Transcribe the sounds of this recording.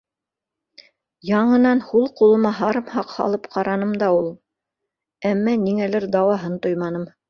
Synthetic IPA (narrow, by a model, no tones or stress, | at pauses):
jɑɴɤ̆nɑnhulˠqulˠɤ̆mɑɦɑɾɤmhɑqhɑ̰lˠɤpqʰɑɾɑnɤmd̪ɑulˠ | æmːæniŋælɘɾd̪ɑwɑɦɤnt̪ojmɑnɤm